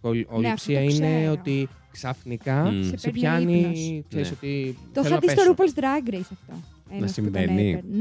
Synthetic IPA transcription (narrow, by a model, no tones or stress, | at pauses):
koolipsiɐineo̞t̪i | ksɐfnikɐssepçɐnikseɾiso̞t̪it̪oelɐɐðiet̪oɾupolsd̪ɾɐɡɾejsɐft̪ɐnɐsimvenḭ